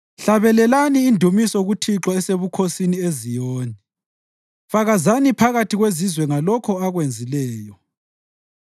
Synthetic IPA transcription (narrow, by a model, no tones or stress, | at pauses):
ɬaβɛlɛlaniːndʱumisɔɣutʰiǁaɛseβukʰosiniezijɔːni | faɣazanipʰaɣatʰiɣwezizwɛŋalɔkʰɔaɣwend͡zʱilɛːjɔ